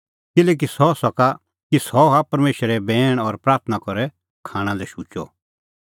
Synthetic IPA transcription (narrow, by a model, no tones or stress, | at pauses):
kɪlɛːk̬isɔsɐka | kisɔɦapɐɾmeːʃɾɛbɛːɽ̃ɔɾpɾaːɾt̪ʰnakɔɾɛ | kʰaːɽ̃ãlɛʃut͡ʃɔ̰